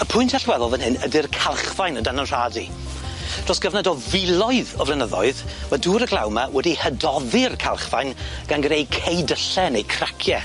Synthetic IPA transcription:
əpʰʊjntʰaɬwɛðɔlˠvənhɦɨnədɪrkʰalˠχvajnədanənr̥adḭ | d̥r̥ɔsɡ̥əvnadɔvɪlˠɔɨðɔvlˠɛnəðɔɨðmaduːɾəɡlˠa̰wmawɛdihədɔðɪrkʰalˠχvajn | ɡ̥anɡrejkʰejdəɬɛnejkʰrakʰjɛ

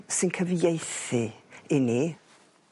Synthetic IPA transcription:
sɨnkʰəvjejθɨɪni

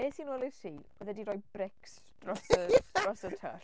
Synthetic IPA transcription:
eːsiːnwɛːlˠɪ̥tiː | ɔðɛdiɾɔjb̥rɪks | d̥rɔsə̥ɔsətʰə̰ɬ

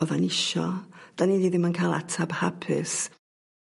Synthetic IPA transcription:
ɔðanɪʃɔ̰d̥anidiðɪmankʰaːlˠa̰tʰabhapʰɪ̰s

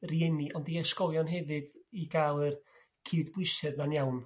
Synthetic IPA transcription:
riɛniʔɔndiɛʃkɔlˠjɔnɦɛvɨdiɡaːlˠɨr | kʰiːdbwɪsɛððanjawn

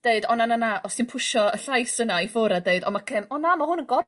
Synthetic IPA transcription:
d̥eɨdɔnananaʔɔsinpʰʊʃɔəɬajsənaifoːɾadeɨdɔ̰makʰɛmɔnamahʊnəɡɔ

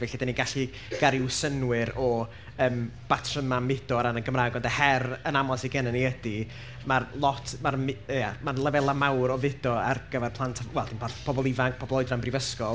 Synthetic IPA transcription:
vɛɬidaniɡaɬi | ɡ̥aɾɪwsənwɨɾɔ | əːmb̥atʰrəmamɪd̥ɔɾanənɡəmraːɡɔndɛhɛrənamɔsiɡɛnəniədi | marlˠɔtʰmarmɪəjamarlˠəvɛlˠamawɾɔvɪdɔa̰rɡ̥əvɛrpʰlˠantʰawɛlˠd̥inpʰaθpʰɔbɔlˠivaŋk̚ʰpʰɔbɔlˠɔɨdrambrivəskɔlˠ

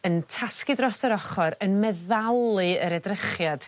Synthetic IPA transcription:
əntʰaskɨdrɔsəɾɔχɔɾənmɛðalˠɨəɾɛdrəχjad̥

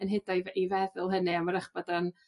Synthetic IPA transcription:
ənɦɪdajvivɛðʊlˠɦənɨamaɾəχb̥ɔdan

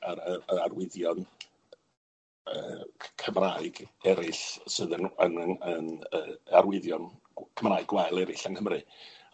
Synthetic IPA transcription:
aɾəəarwɪðjɔn | ə̰ːkʰəmraːɨɡɛɾɪɬsɨːðənənənəːməarwɪðjɔn | kʰəmraːɨɡwaɨlˠɛɾɪɬanhəmrɨ

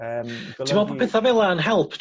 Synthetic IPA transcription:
tʰimɔpəpʰɪθavɛlˠaənɦɛlˠpʰt

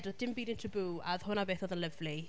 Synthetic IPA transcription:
dɔd̥ɪmbiːdɪntʰibuað̥hʊnabeːθɔðənləvli

